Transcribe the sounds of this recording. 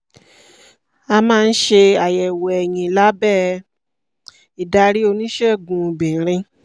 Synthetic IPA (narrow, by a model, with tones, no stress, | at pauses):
a˧mãː˦˧n̩˦ʃe˧a˨jɛ˨wɛ˨ɛ˨jĩ˨la˨˦bɛː˦˨ | i˨da˧ɾi˦o˧nĩ˦ʃɛ˦˨ɡũ˨bĩ˨ɾ̃ĩ˧